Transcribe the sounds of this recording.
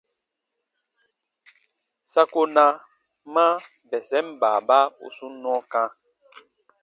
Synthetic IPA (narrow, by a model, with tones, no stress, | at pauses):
sa˦ko˦nã˧ | mã˦ | bɛ˨sɛ˦m˦ba˨ba˦o̰˨su˦nːɔ̃˦kã˦